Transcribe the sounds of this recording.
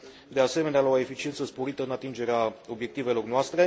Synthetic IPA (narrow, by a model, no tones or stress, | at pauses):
d̪ease̞me̞nealaoe̞fit͡ʃie̞nt̪səspo̞ɾit̪əɨnat̪ind͡ʒe̞ɾeao̞bje̞k̚t̪ive̞lo̞rnoast̪ɾe̞